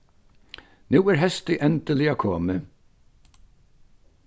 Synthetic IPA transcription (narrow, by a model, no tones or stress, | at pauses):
nuːɛɹɦɛst̪ɪʔɛnt̪əlɪakʰɔːmɪ